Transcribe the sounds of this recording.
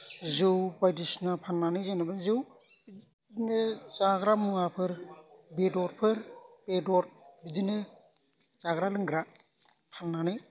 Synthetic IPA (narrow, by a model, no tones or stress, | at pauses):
zɯwbajdisnapʰanːanɯjzanɯbɯnzɯw | dnɯzaɡɾamuŋapʰɯɾbedɔɾpʰɯɾpedɔɾbidinɯ | z̥aɡɾalɯŋɡɾa | pʰanːanɯj